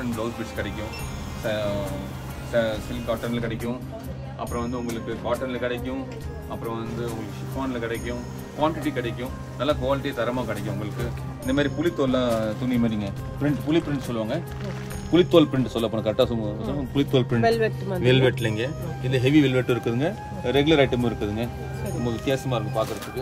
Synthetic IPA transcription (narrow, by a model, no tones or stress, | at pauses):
ɾɪɳʈɖoːlsbɪʈskɐɽɐɪkːʊ̃ | s | sɐsɪlkaːʈːɐnɪlkɪɽɛkʲːʊ̃ | ʔɐ̰pːɯɾɔ̃ʋɐnd̪ɯʊŋɡɐɭɯkːɯkaːʈːɐnɪlkɪɽɛkːʊ̃ | ɐpːɯɾɔ̃ʋɐnd̪ɯʊŋɡɐɭɯkːɯʂɪkːʋaːnɪlkɪɽɛkʲːʊ̃ | kʋaːɳʈɪʈikɪɽɛkʲːʊ̃ | nɐlːɐkʋaːlɪʈːit̪ɐɾɐmaːkɪɽɛɪkːʊ̃ʊŋɡɐɭɯkːɯ | ɪnd̪ɐmaːd̪ɾipʊlɪt̪ːoːllãːt̪ʊnːimaːniːŋɡɐ | pɾɪɳʈpʊlɪpɾɪɳʈsɔlːɯʋaːŋɡɐ | pʊlɪt̪ːoːlpɪɾɪɳʈsɔlːɐp̬oːnɐkɐɾɛkʈːaːsɔspʊlɪt̪ːoːlpɾɪɛlʋɛʈːʋɛlʋɛʈːlɐŋɡɐ | ɪnd̪ɐɦɛʋiʋɛlʋɛʈːɯɪɾɯkːɐðɯŋɡɐ | ɾɛɡɯlɐɾɐɪʈːɐmːɪɾɯkːɐðɯŋɡɐ | ɐmɐkːɯkeːsɐmaːɾɯŋɡɐpaːɾkɐɾɐt̪ːɯkːɯ